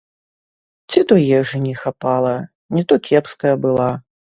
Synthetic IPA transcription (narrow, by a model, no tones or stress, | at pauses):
t͡sʲit̪ɔjɛʐɨnʲɛxapalˠɐ | nʲit̪ɔkʲɛpskɐjɐbɨlˠa